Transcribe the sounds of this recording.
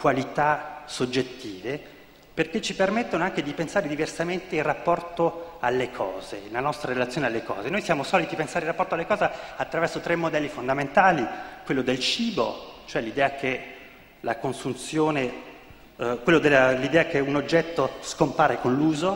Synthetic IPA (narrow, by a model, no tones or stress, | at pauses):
kwalit̪asod͡ʒːet̪ːiːve | perket͡ʃːipermet̪ːonoaŋked̪ipensaːɾed̪iversament̪eilrapːɔrt̪oalːekʰɔ̰ːzelanɔst̪ɾaɾelat̪sːjoːnealːekɔ̰ːzenojsjaːmosɔːlit̪ipensaɾeirapːɔrt̪oalːekɔːzeat̪ːɾavɛrsot̪ɾemːod̪ɛlːifond̪ament̪aːlikwelːod̪elt͡ʃiːbo̰t͡ʃoɛlid̪ɛːakʰe | la̰konsunt̪sjoːne | kwelːod̪elːalid̪ɛːakeunod͡ʒːɛt̪ːoskompaːɾekonluːzo